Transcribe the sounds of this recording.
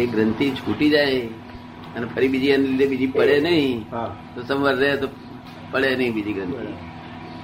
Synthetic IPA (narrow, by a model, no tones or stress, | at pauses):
eɡɾənt̪id͡ʒʱuʈid͡ʒae | ənepʰəɾibid͡ʒianelid̪ebid͡ʒipəɭenəɦĩɦat̪osəmʋəɾːəɦet̪o | pəɭenəɦĩbid͡ʒiɡɾənt̪i